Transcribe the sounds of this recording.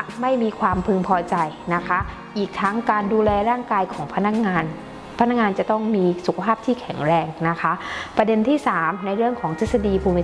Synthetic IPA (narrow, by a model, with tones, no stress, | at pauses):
ma˥˩jmiː˧kʰwaː˧mpʰɯ˧ŋpʰɔː˧t͡ɕa˧jna˦˥kʰa˦˥ | ʔiː˨˩k̚t̪ʰa˦˥ŋkaː˧nduː˧lɛː˧ɾaː˥˩ŋkaː˧jkʰɔː˩˦ŋpʰa˧na˦˥k̚ŋaː˧n | pʰa˧na˦˥k̚ŋaː˧nt͡ɕa˨˩t̪ɔ˥˩ŋmiː˧su˨˩kʰa˧pʰaː˥˩p̚t̪ʰiː˥˩kʰɛ˨˩˦ŋɾɛː˧ŋna˦˥kʰa˦˥ʔpɾa˧de˧nt̪ʰiː˥˩saː˩˦mna˧jɾɯ˥˩əŋkʰɔː˩˦ŋt̪ʰeː˥˩t̪̚sa˧diː˧pʰuː˧mi˦˥